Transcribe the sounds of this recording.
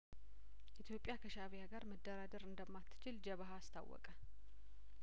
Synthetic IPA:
ʔit̪ʰjo̞pʼːjakʰəʃaβjaɡaɾməd̪ːəɾad̪əɾɨnd̪əmːat̪ʰːɨ̥t͡ʃɪld͡ʒəβaɦaːst̪ʰa̰wːɔ̰kʼə

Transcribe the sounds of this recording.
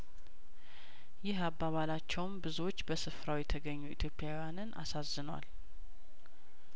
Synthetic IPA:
jɪɦabːaβalat͡ʃːɛwmbɨzuwo̞t͡ʃːbəsɨfɾawjɛt̪ʰəɡəɲːuit̪ʰjo̞pːjawjanɨnʔa̰sazɨnəwa̰l

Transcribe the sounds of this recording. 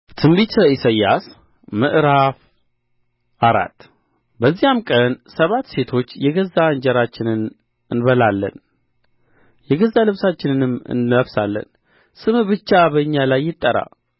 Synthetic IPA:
t̪ʰɨmbit̪ʰəisajːas | mɨʔɾaf | ʔaɾa̰t̪ː | bəzːijamkʼənsəβat̪ːse̞t̪ʰo̞t͡ʃːjɛɡəzːand͡ʒɛɾat͡ʃːɪnɨn | ɨnbəlalːə̰n | jɛɡəzːalɨβsat͡ʃːɪnɨnɨmɨ̰nəβsalːə̰n | sɨmbɨt͡ʃːabəɨɲːalajːɪt̪ʼːəɾa̰

